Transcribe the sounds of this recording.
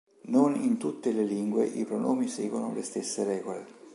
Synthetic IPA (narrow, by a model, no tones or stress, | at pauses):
nonint̪ut̪ːeleliŋɡweʔipɾonʔɔːmiseːɡwono̰lest̪esːeɾɛːɡole